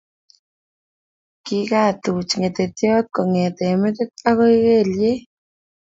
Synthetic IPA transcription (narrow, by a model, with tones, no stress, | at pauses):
ki˦ka˦˨t̪u˨t͡ʃŋe˨t̪e˨tjɔ˦t̪̚ko˨ŋe˨t̪e˨me˦t̪e˦t̪̚a˦ɣo˦jɣe˦˨lje˦